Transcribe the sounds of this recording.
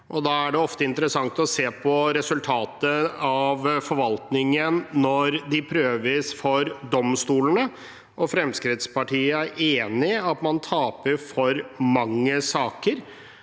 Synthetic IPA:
ʔɔd̪ɑːæɖɛɔft̪əɪnt̪əɾəsɑŋt̪ɔseːpʰɔɾɛsʉlt̪ʰɑːt̪əɑʋfɔɾʋɑlt̪nɪŋənːɔɾd̪ɪpʰɾøːʋəsfɔɾd̪ɔmst̪uːlənə | ʔɔfɾɛmskɾɪt̪spɑʈiːəæɾeːnɪɑt̪mɑnt̪ʰɑːpəɾfɔɾmɑŋːəsɑːkəɾ

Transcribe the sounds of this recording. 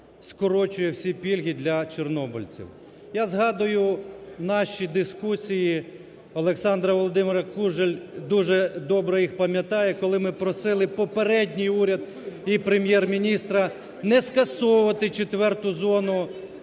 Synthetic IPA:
skɔɾɔt͡ʃʊjɛwsʲipʲilʲɦʲid̪lʲɐt͡ʃɔrnɔbʊlʲt͡sʲḭw | jazɦɑd̪ʊjʊnɑʃʲid̪ɪskusʲiji | ɔlˠeksɑnd̪ɾɐʋɔlˠɔd̪ɪmɪɾɐkuʒelʲd̪uʒɛd̪ɔbɾɔjixpɐmʲjɐt̪ɑjɛkɔlˠɪmɪpɾɔsɪlˠɪpɔpeɾɛdʲnʲijuɾʲɐd̪̚ | ipɾemʲjɛrmʲinʲist̪ɾɐ | nɛskɐsɔʊʋɐt̪ɪt͡ʃet̪ʋɛrt̪ʊzɔnʊ

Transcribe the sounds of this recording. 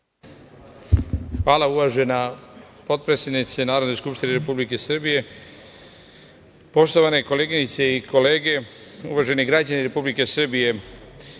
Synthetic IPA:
xʋaːlauʋaʒe̞na | po̞t̪̚pɾetsed̪nit̪senaːɾo̞d̪noskupʃt̪ineɾe̞publike̞sr̩bije̞ | po̞ʃt̪o̞ʋane̞ko̞leːɡiɲit̪seikʰo̞le̞ːɡe̞ṵʋaʒe̞niɡɾad͡ʑaniɾe̞publike̞sr̩bije̞

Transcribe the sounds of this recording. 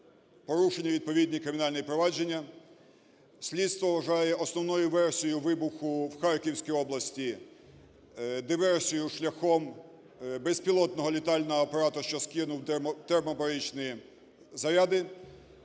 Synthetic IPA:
pɔɾuʃenʲːɐʋʲid̪̚pɔʋʲid̪ʲnʲikɾɪmʲɪnɑlʲnɪjipɾɔʋɑd͡ʒe̞nʲːɐ | sʲlʲit̪st̪ʋɔʋɐʒɑjɛʔɔsnɔwnɔjʊʋɛrsʲijʊʋɪbʊxʊwxɑrkʲiwsʲkʲijɔblˠɐsʲtʲi | d̪ɪʋɛrsʲijʊʃlʲɐxɔm | bɛspʲilˠɔt̪̚nɔɦɔlʲit̪ɑlʲnɔɦɔːpɐɾɑt̪ʊʃt͡ʃɔskʲɪnʊw̪t̪ermɔpɐɾɪt͡ʃnɪji | zɐɾʲad̪ɪ

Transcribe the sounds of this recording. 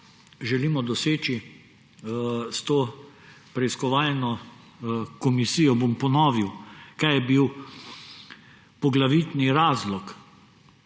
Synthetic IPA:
ʒɛliːmɔd̪ɔseːt͡ʃi | st̪oː | pɾɛiskɔʋaːlnɔ | kɔmisiːjɔbompɔnɔːʋiwkajjɛbiw | pɔɡlaʋit̪niɾaːzlɔk

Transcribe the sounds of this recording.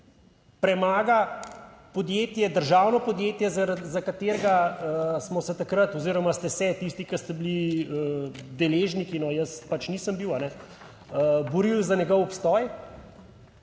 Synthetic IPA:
pɾɛmaːɡa | pod̪jeːt̪jɛd̪əɾʒawnɔpɔd̪jeːt̪jɛzaɾazakat̪eːɾɡaəsmɔsɛt̪akɾət̪ɔziːɾɔmast̪ɛsɛt̪ist̪ikɐst̪ɛbiliəd̪ɛleːʒnikinɔjəspat͡ʃniːsəmbiwanɛ | əbɔɾilzanʲɛɡɔwɔpst̪ɔːj

